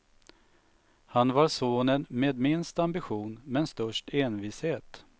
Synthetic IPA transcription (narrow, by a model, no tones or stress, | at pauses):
hanvaɾʂoːnənmeːd̪mɪnst̪ambɪɧuːnmɛnst̪œʂʈeːnviːsheːt̪